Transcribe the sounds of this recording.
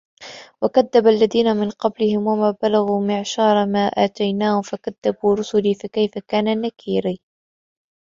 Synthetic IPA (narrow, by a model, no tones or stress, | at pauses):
wakaðːabalːaðiːnamɪnqɑblɪhɪmwamaːbalaɣuːmɪʕʃɑːɾˤɑmaːʔaːt̪ajnaːhʊmfakaðːabuːɾʊsʊliːfakajfakaːnanakʰiːɾiː